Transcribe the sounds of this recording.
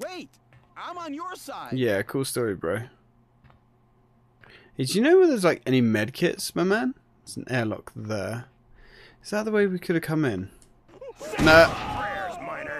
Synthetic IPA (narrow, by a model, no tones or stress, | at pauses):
weɪt | ãɪ̃mə̃njə˞saɪjæəkʰuːlˠstɔːɹibɹə̰ʊ | ɨd͡ʒənoʊwəðəzlaɪkɛñimɛd̚kʰɪ̰tsmaɪmæ̃n | əz̥̃n̩ʔɛːlɒ̰k̚ðə | ɪzðəʔ̪̚ðəweɪwikʰʊɾə̥kʰʌ̃mɪ̃n | nə